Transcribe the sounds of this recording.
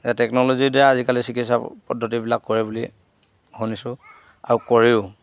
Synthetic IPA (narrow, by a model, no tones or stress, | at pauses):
zatɛknɔlozidɛɹaazikalisikʰitsapɔdʱːɔtibilakːoɹibuli | honisʊ̃ | a̰ɹukoɹiʊ